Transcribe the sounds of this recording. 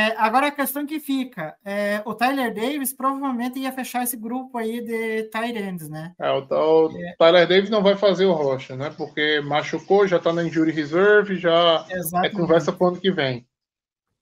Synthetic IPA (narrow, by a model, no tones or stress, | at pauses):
ɛʔaɡɔɾɐɐkest̪ɐ̃w̃kɪfikɐɛʊt̪ajleɾd̪ejvɪspɾovavewmẽnt̪ɪiɐfeʃaɾesɪɡɾupʊaid̪ɪt̪ajɾẽd̪ɪznɛɛʊt̪at̪ajleɾd̪ejvɪznɐ̃w̃vajfazeɾʊɦɔʃɐnɛpoɾkemaʃukoʒat̪anɐĩʒuɾihezɛɾvɪʒaezaɛkõvɛɾsɐpɾʊɐ̃nʊkɪvẽj̃